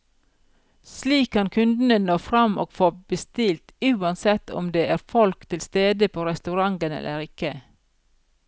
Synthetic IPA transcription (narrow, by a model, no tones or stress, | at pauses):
sliːkʰːɑnkʰʉnd̪n̩ənoːfɾɑmʔo̰ːɡ̥foːbəst̪ɪlt̪ʉːɑnsɛt̪ɔ̰md̪eːʔæːɾfɔlkt̪ʰɪlst̪eːd̪əpʰoːɾɛst̪ʉɾɑŋɡənɛ̰lʔəɾɪkə